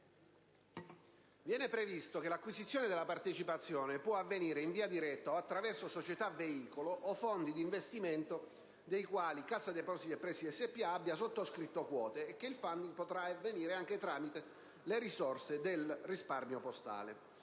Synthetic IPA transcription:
vjɛːnepɾevist̪okelakːwisit̪sːjoːned̪elapart̪et͡ʃipat̪sːjɔːnepwɔavːeniːɾeiɱviːad̪iɾɛt̪ːaoat̪ːɾavɛrsosot͡ʃet̪aveiːkoloʔːfond̪id̪iɱvest̪iment̪o | d̪ejkwaːlikasːad̪epɔsit̪epːɾɛːsiɛsːepːiaabːjasot̪ːoskɾit̪ːokwɔːt̪eːkːeilfand̪iŋɡpot̪ɾaavːeniːɾeaŋk̟et̪ɾaːmit̪e | leɾisɔrsed̪elrisparmjopost̪a̰ːlḛ

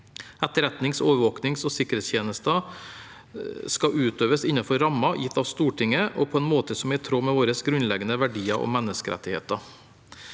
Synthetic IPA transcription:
ɛt̪ːəɾɛt̪nɪŋsoːʋəʋoːknɪŋsɔsɪkːəɾeːst̪jeːnəst̪ɑ | skɑʔʉːt̪øːʋəsɪnːɑfɔɾɾɑmɑjɪt̪ʰːɑʋst̪uːʈɪŋəʔɔ̰pʰɔɛnmoːt̪əsɔmʋɪæt̪ʰɾoːmɛʋoːɾəsɡɾʉnlɛɡənəʋæɖiːɑʔɔ̰mɛnːəskəɾʔɛ̰t̪ːɪhḛːt̪ɑ

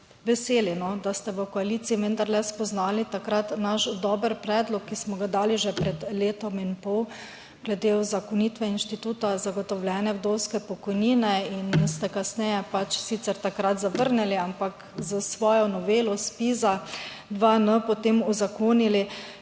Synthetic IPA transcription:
ʋɛseːlinɔd̪ast̪ɛʋəkɔaliːt̪siːʋənd̪aɾlɛspɔznaːlit̪akɾat̪naʃd̪ɔːbəɾpɾɛːd̪lɔkːismɔɡad̪aːliʒɛpɾɛd̪leːt̪ɔminpɔw | ɡ̥lɛd̪euzakɔnit̪ʋɛinʃt̪it̪uːt̪azaɡɔt̪ɔwljɛːnɛwd̪owskɛpɔkɔjniːnɛinst̪ɛkasnɛjɛpat͡ʃsit̪sɛɾt̪akɾat̪zaʋəɾnɛliampak | zəsʋɔːjɔnɔʋeːlɔspiza | d̪ʋanəpɔt̪eːmuzakoːnili

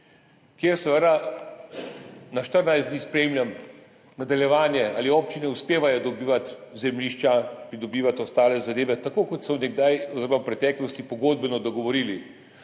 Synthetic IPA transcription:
kjeːɾsɛʋəd̪a | naʃt̪əɾnajszd̪niːspɾemlʲjam | nad̪aljɛʋaːnjɛa̰ːlioːp̚t͡ʃinɛuspeːʋajɔd̪ɔbiːʋat̪zɛmliːʃt͡ʃapɾid̪ɔbiːʋat̪ɔst̪aːlɛzad̪eːʋɛt̪akokɔt̪sɔnɛɡ̚d̪ajɔzɪɾɔmawpɾɛt̪ɛːklɔst̪ipɔɡoːd̪̚bɛnɔd̪ɔɡɔʋɔɾiːli

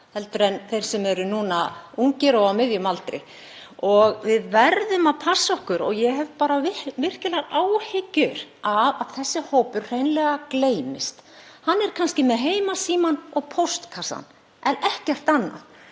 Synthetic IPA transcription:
hɛlt̪ʏɾɛnθejɾ̥sɛmɛɾʏnuːnauŋcɪɾɔɣamɪðjʏmalt̪ɾɪ̰ | ɔɣvɪðvɛɾðʏmaðpʰasːɔhkʏɾɔɣjɛɦɛvpaːɾavɪvɪr̥cɪlaɾaːwhɪcːʏɾavaðθɛsːɪhoːwpʏɾ̥r̥ejnlɛɣakleːjmɪst̪hanːɛɾ̥kʰanscɪmɛðɦeːjmasiːmanɔɣpʰowst̪kʰasa̰n | ɛnɛhcɛr̥t̪anːa̰ð

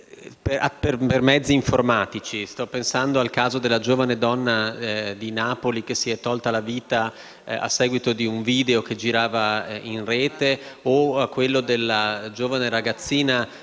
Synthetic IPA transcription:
peaperpermɛd̪zːiːɱformaːt̪it͡ʃist̪ɔpːensand̪oalkaːzod̪elːad͡ʒoːvaned̪ɔnːad̪inaːpolik̟esiɛt̪ːɔlt̪alaviːt̪a | a̰sːɛːɡwit̪od̪iuɱviːd̪eok̟ed͡ʒiɾaːvainreːt̪eoakːwelːod̪elːad͡ʒoːvaneɾaɡat̪sːiːna

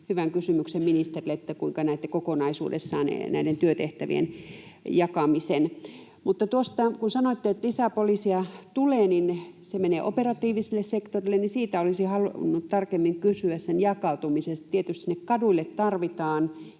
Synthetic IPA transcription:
hyʋæŋkysymyksemminist̪erileet̪ːækuiŋkɑnæit̪ːækokonɑisṵːdḛsːɑːnḛnæ̰ident̪yøt̪eht̪æʋḭḛnjɑkɑmisen | mut̪ːɑt̪uost̪ɑkunsɑnoit̪ːeet̪lisæpolisiɑt̪uleːninsemeneːʔoperɑt̪iːʋiselːessekt̪orilːennisiːt̪æolisihɑlunːut̪t̪ɑrkemːiŋkysyæssenjɑkɑut̪umisest̪t̪iet̪yst̪sinːekkɑduilːˑet̪t̪ɑrʋit̪ɑːn

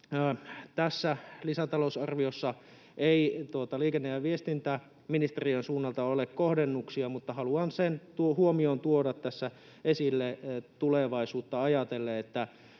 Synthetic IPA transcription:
t̪æsːælisæt̪ɑlousɑrʋiosːɑ | eit̪uot̪ɑliːkenːejæʋiest̪int̪æ | minist̪eriønsuːnːɑlt̪ɑolekkohdenːuksiɑmut̪ːɑhɑluɑnsent̪uohuomiont̪uodɑt̪tːæsːæ | esilːet̪uleʋɑisuːt̪ːɑɑjɑt̪elːeet̪ːæ

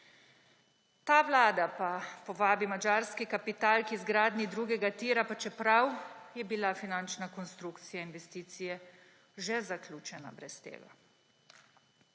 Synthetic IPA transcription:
t̪aːʋlaːd̪apapɔʋaːbimad͡ʒaːɾskikapit̪aːlkizɡɾaːd̪nid̪ɾuːɡɛɡat̪iːɾapat͡ʃɛpɾawjɛbilafinant͡ʃnakɔnst̪ɾukt̪sijainʋɛst̪iːt̪sijɛ | ʒɛzaklʲuːt͡ʃɛna̰bɾɛst̪ḛːɡa̰

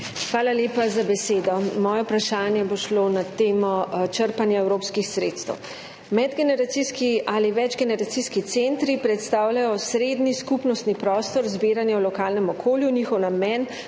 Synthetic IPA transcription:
xʋaːlaljeːpazabɛseːd̪ɔmɔːjɛpɾaʃaːnjɛboʃlonat̪eːmɔt͡ʃəɾpanjaɛwɾoːpskixsɾḛt̪st̪ə̰w | mɛd̪ɡɛnɛɾat̪siskiʔaliʋɛd͡ʒɡɛnɛɾat̪siskit̪sent̪ɾipɾɛt̪st̪aːwlajɔsɾeːd̪niskupnɔst̪nipɾɔːst̪ɔɾzbiːɾanjɛwlɔkaːlnɛmɔkʰoːljuniːxɔwnamɛn

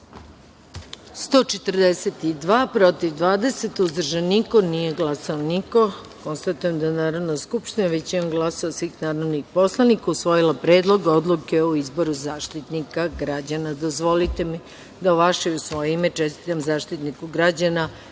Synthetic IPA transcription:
st̪o̞ːt͡ʃet̪ərd̪eset̪id̪ʋaːpɾo̞t̪iʋd̪ʋaːd̪e̞se̞t̪uzd̪r̩ʒanːiko̞nije̞ɡlˠasaoniko̞ | ko̞nst̪at̪ujemd̪anaːɾod̪naskupʃt̪inaʋet͡ɕinoɡlˠasoasʋiːxnaːɾoʋnixpo̞slˠanikausʋo̞jilˠapɾeːd̪lˠo̞ɡod̪lˠukeoizbo̞ɾuzaːʃt̪it̪nikaɡɾad͡ʑanad̪o̞zʋo̞lit̪e̞mi | d̪aoʋaʃeusʋo̞jeimet͡ʃest̪i̥t̪amzaːʃt̪it̪nikuɡɾad͡ʑana

